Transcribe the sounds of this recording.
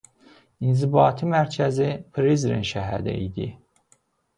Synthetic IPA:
inzibɑːt̪ʰimæɾcʰæzipʰɾizɾḭnʃæɦæ̰d̪æ̰ḭd̪i

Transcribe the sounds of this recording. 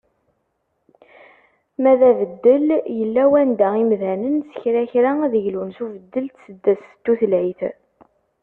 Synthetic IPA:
mæðævəd̪ːəljəlːæwænd̪æimðænənsə̥çɾæçɾaæðəʝlunsuvəd̪ːəlt̪səd̪ːæst̪ːuθəlʕiθ

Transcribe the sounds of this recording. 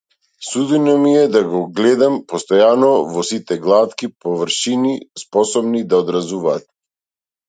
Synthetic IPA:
sud̪inɔmiɛd̪aɡɔɡlɛd̪ampɔst̪ɔjanɔvɔsit̪ɛɡlˠat̪kipɔvəɾʃinispɔsɔbnid̪aɔd̪ɾazuvaːt̪̚

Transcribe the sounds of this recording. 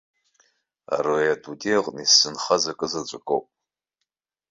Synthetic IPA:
a̰rojadʰʼudeʁʼnisɨnχɐzɐkʼɨzɐt͡ɕʷʼɨkʼo̰wpʼ

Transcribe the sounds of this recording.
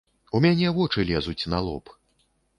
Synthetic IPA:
umʲanʲɛvɔt͡ʂɨlʲɛzut͡sʲnalˠɔ̰p

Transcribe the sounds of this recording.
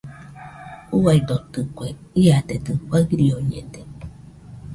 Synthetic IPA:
uaid̪ot̪ɨkʷe | iat̪et̪ɨkʷaɾioɲḛ̃d̪e

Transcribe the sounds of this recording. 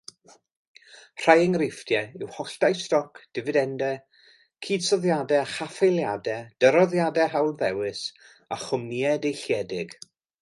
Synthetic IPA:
r̥ajɪŋɾɪfd̥jɛɪwhɔɬd̥ajstɔkʰd̥ɪvɨdɛndɛ | kʰiːd̥sɔðjadɛaχafejlˠjadɛd̥əɾɔðjadɛɦawˠðɛwɪs | aχʊmniɛdejɬjɛdɪɡ̥

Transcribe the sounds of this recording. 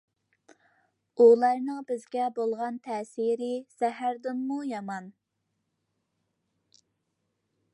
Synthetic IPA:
ulˠɑɾnɨŋbɪzɡʲɛbolˠʁɑnt̪ʰɛsiɾɪsɛɦæɾd̪ɪmːujɑmɑn

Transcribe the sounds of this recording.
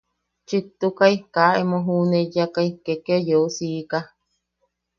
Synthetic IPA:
t͡ʃit̪ːukaikaemoɦunejakaikekeojousiːka

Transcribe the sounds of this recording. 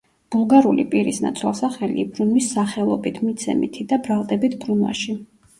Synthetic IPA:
b̥ulˠɡaɾulipʼiɾisna̰t̪sʰwɛ̰lˠsaχɛlḭbɾunwisːaχɛlˠɔbit̪ʰmit̪sʰɛ̰mḭt̪ʰid̪abɾalˠd̪ɛbit̪ʰbɾunwa̰ʃi

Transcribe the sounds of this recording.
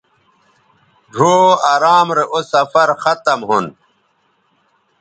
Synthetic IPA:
ɖʱoːaɾaːmɾeʔosɐfɐɾxɐt̪ɐmɦun

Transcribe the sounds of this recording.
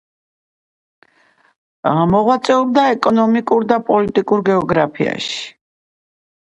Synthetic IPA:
mɔʁwat̪sʼɛɔb̚d̪aɛkʼɔnɔmikʼuɾd̪apʼɔlit̪ʼikʼuɾɡɛɔɡɾapʰḭa̰ʃi̥

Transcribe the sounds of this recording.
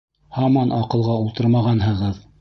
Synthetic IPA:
hɑmɑnʔɑqɤ̆lˠʁɑulˠt̪ɤɾmɑʁɑnhɤ̆ʁɤð

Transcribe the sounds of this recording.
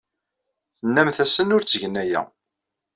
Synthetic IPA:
θənːæmθæsənʊɾt͡sːəʝənæjæ̰

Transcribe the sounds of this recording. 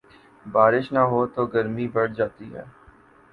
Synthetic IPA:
baːɾɪʃnɐɦoːt̪oɡɐɾmibɐɽd͡ʒaːt̪iɦɛ̰ː

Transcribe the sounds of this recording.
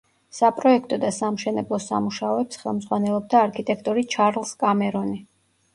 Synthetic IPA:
sapʼɾɔɛkʰt̪ʼɔd̪asamʃɛnɛblˠɔsa̰muʃaɔɛpsχɛlˠmd̪zʁwanɛlˠɔb̚d̪aːɾkʰit̪ʼɛkʰt̪ʼɔɾit͡ʃʰaɾlˠskʼamɛɾɔni

